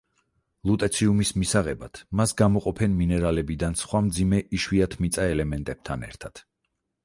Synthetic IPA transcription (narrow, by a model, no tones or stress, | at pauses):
lˠut̪ʼɛt̪sʰiumismisaʁɛbat̪ʰmasɡamɔqʼɔpʰɛnminɛɾalɛbid̪ansχwamd̪zimɛʔiʃwiat̪ʰmit̪sʼaɛlɛmɛnt̪ʼɛb̥̚t̪ʰanɛ̰ɾt̪ʰat̪